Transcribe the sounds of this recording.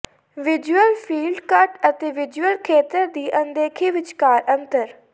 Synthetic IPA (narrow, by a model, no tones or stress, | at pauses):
ʋɪd͡ʒuəlpʰiːlɖkəʈət̪eːʋɪd͡ʒuəlkʰeːt̪əɾd̪iːʔə̃nd̪eːkʰiːʋɪt͡ʃkaːɾʔə̃nt̪əɾ